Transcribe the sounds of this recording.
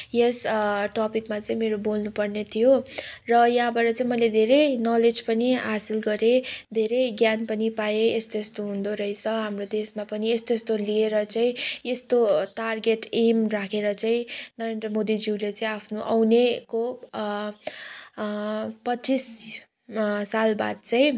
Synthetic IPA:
jesʈɔpikmat͡saĩmeɾobolnupʌrnet̪ʰijorʌjaɦãbʌɾʌt͡saĩmʌjled̪ʱeɾejnʌled͡zpʌniɦasilɡʌɾed̪ʱeɾʌjɡjanpʌnipajeest̪oest̪oɦũnd̪oɾʌjt͡sʰʌɦamrod̪esmapʌniest̪oest̪olieɾʌt͡saĩest̪oʈarɡeʈemrakʰeɾʌt͡saĩnʌɾend̪rʌmod̪id͡ziwlet͡sʌĩapʰnuʔʌ̰wneko | pʌis | salba̰d̪̚t͡sʌĩ

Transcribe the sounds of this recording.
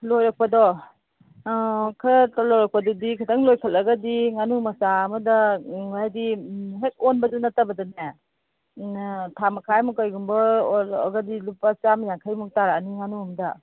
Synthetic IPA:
lojɾɐk̚pɐdɔ | kʰɐɾtlojɾɐk̚pɐdɔdikʰɐtʰaŋlojkʰɐlɐɡɐdiŋanumɐsaːmɐdɐajdiɦek̚onbɐdunɐtɐbɐdɔne | tʰamɐkʰajmukajɡumbɐɐ̰ɡɐdilupat͡ʃamjakʰajmuk̚taɾaaniŋanuɐmdɐ

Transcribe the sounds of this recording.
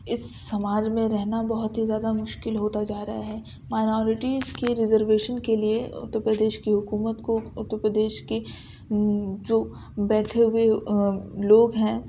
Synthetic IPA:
ɪsːɐmaːd͡ʒmẽɾɛɦnabɐɦʊt̪ɦizjaːd̪amʊʃkɪlɦoːt̪ad͡ʒaːɾɐɦaɦɛː | maːɪnɔːɾɪʈiːzkeɾɪzəɾʋeːʃənkelieʊ̰t̪ːəɾpɾəd̪eːʃkiɦʊkuːmət̪koʊt̪ːəɾpɾəd̪eːʃke | d͡ʒoː | bɛːʈʰeɦʊe | loːɡɦɛ̃ː

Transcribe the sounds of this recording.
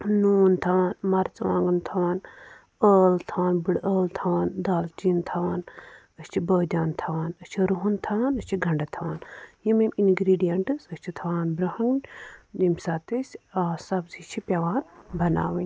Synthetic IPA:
nuːnt̪ʰɐʋaːnmɐɾt͡sɐʋã̰ːŋɡɐnt̪ʰɐwaːn | əːlt̪ʰaːnbɨɽəːlt̪ʰɐʋaːnd̪aːlt͡ʃiːnt̪ʰɐʋaːn | əst͡ʃʰibəːd̪ʲaːnt̪ʰɐʋaːnɐst͡ʃʰiɾuɦunt̪ʰɐaːnɐsʲt͡ʃʰiɡʱɐɳɖɐt̪ʰɐʋaːnjimiminɡɾiːɖijɐɳʈɨsɐsʲt͡ʃʰit̪ʰɐʋaːnbɾɐhɐŋɡdimʲsaːt̪ɨsʲsɐbzit͡ʃʰipʲjɐʋaːnbɐna̰ːʋɐnʲ

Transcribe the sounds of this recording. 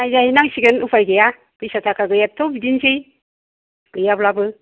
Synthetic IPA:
ajzahinaŋsiɡənupʰajɡeja | kɯjsatʰakaɡɯjatʰobidinsej | ɡɯjablabɯ

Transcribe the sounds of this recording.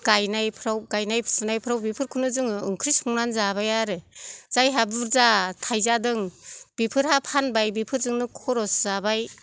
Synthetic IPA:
ɡ̥ajnajpʰɾawɡajnajsɯnajpʰɯɾawbipʰɯɾkʰunɯzɯŋɯɯŋkʰɾisuŋnanzaβajaɾɯz̥ajɦabuɾzatʰajzadɯŋb̥ipʰɯɾhapʰanbajbipʰɯɾzɯŋnɯkʰɔɾɔszabaj

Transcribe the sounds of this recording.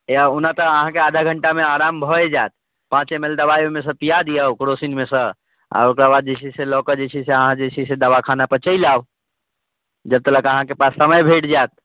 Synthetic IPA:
onat̪əəɦãkead̪ʱaɡʱəɳʈameaɾambʱɔed͡ʒat̪̚ | pãt͡ʃemeld̪əbajomesə̃pijad̪ijəwkɾosinmesə̃ | a̰okɾabad̪̚d͡ʒet͡ʃʰiselɔkəd͡ʒet͡ʃʰiseəɦãd͡ʒet͡ʃʰised̪əβakʰanapət͡ʃəjlaw | d͡ʒəb̚t̪ələkəɦãkepasːəməjbʱeʈd͡ʒat̪̚

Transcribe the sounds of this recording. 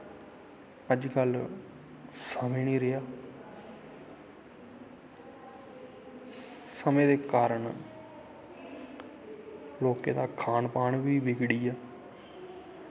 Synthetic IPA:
əd͡ʒɡəl | səmẽːnĩːɾɪjaː | səmẽːd̪eːkaːɾəɳ | loːkeːd̪aːkʰaːnpaːɳʋiːʋɪɡɽiːaː

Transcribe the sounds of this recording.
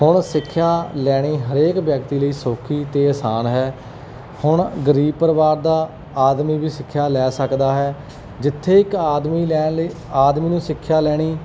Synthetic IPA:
ɦʊɳsɪkʰːjaːlɛːɽ̃iːɦəɾeːkʋjəkt̪iːləiːsoːkʰiːt̪eːəːsaːnɦɛː | hʊɳɡəɾiːb̚pəɾʋaːɾd̪aː | aːd̪miːbiːsɪkʰːjaːlɛːsəkd̪aːɦɛː | d͡ʒɪt̪ʰːeːɪkaːd̪miːlɛːnliː | aːd̪mĩːnũːsɪkʰːjaːlɛːɽ̃iː

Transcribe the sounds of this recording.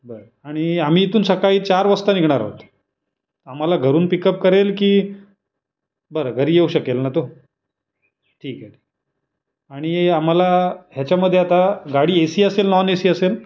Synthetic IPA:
bəɾə | aɽ̃iam̤iːit̪uːnsəkaiːt͡ɕaɾʋəst̪əniɡʱɳ̃aɾɦo̰t̪ | am̤alaɡʱəɾuːnpikəp̚kəɾelkiː | bəɾəɡʱəɾiːjeuɕəkelnat̪o | ʈʰiːkai | aɽ̃iam̤alaɦjat͡ɕaməd̪ʱːeat̪aɡaɽiːesiːəselnɔnesiːəsel

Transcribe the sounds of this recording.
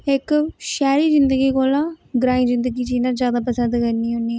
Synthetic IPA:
ɪkʃɛːɾiːzɪnd̪əɡiːkoːlãːɡɾãːĩzɪnd̪əɡiːd͡ʒiːnazjaːd̪aːpəsə̃nd̪kəniːʊniɛː

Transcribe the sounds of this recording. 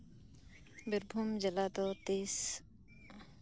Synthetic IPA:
beɾbʱumd͡ʒəlaːt̪oːt̪iːs

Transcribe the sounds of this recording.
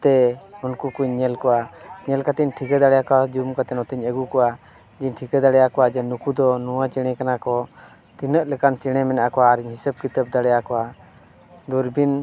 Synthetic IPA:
t̪ɛunkukuɲɲɛlkɔwaɲɛlkat̪iɲʈʰikɛd̪aɽɛjakɔwad͡ʒumkat̪ɛnɔt̪iɲɛɡukɔwa | d͡ʒiɲʈʰikɛd̪aɽɛjakɔwad͡ʒɛnukud̪ɔnuwat͡ʃɛɽ̃ɛkanakɔ | t̪inəʔlɛkant͡ʃɛɽ̃ɛmɛnaʔakɔwaːɾiɲhisəb̚kit̪əp̚d̪aɽɛjakɔwa | d̪uɾbin

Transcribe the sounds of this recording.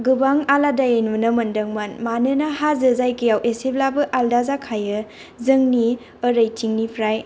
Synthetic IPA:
ɡɯbaŋaladajajnɯnɐmɐndɐŋmanmanɯnahazɐzajkijawʔeseblabɯʔaldazakʰajɯ | zɯŋni | əɾəjtʰiŋnipʰɾaj

